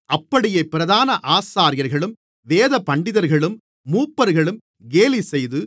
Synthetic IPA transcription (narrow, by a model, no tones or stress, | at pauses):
ʔɐpːɐɽɪjɐpːɪɾɐðaːnɐʔaːsaːɾɪjɐɾɣɐɭɯm | ʋeːðɐpɐɳɖɪðɐɾɣɐɭɯmː | uːpːɐɾɣɐɭɯm | ɡeːlisɛjðɯ